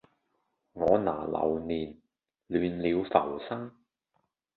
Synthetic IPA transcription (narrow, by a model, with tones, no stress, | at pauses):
ŋɔː˨˧naː˨˩lɐ̰˨˧wniː˨˩n | lyː˨˧nliː˨˧wfɐ˨˩wsɐ˥ŋ